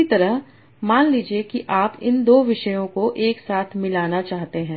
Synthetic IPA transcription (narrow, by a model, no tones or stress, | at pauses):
it̪ɐɾəɦ | maːnliːd͡ʒiekiʔaːpɪ̰nd̪oːʋɪʃəjõkoʔeːksaːt̪ʰmɪlaːnat͡ʃaːɦt̪eɦɛ̃ː